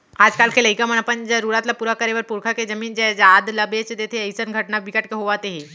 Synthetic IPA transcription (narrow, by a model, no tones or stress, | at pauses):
ad͡zkalkʰeləikam̤əɳ̃apəɳd͡ʑaɾuɽat̪lapuɾakəɾeʋəɾpuɾkʰaked͡ʑəmiːnd͡ʑɛd͡zad̪ləbet͡sd̪et̪ʰeəjsənɡʱəʈnabikəʈkeɦoʋat̪eɦe